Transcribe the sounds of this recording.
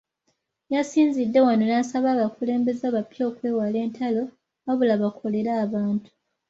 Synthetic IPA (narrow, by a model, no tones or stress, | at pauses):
jasiːnzidːe̞wano̞naːsaβaːβakule̞ːmbe̞zaːβapjo̞ːkwe̞ːwale̞ːntʰalo̞ | βaβulaβakʰo̞le̞ɾaːβaːntu̥